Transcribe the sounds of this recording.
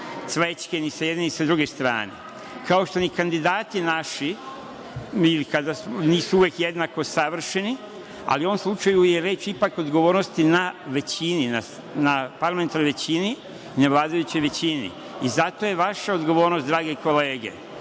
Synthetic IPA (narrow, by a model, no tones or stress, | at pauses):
t̪sʋet͡ʃkenisajed̪neisad̪ɾuɡest̪ɾa̰ːnḛ | kao̞ʃt̪o̞nikand̪id̪aːt̪inaʃi | ilikad̪asniːsuuʋjekjed̪nako̞saʋr̩ʃeni | a̰liuo̞ʋomslˠut͡ʃajujeɾe̞t͡ʃipako̞d̪ɡo̞ʋoːɾnost̪inaʋe̞t͡ɕinina | napaɾlament̪aɾnojʋet͡ɕiniː | neʋlˠaːd̪ajut͡ɕo̞jʋe̞t͡ɕinḭ | izat̪o̞je̞ʋaʃaod̪ɡo̞ʋo̞ːɾnost̪d̪ɾaːɡeko̞leːɡḛ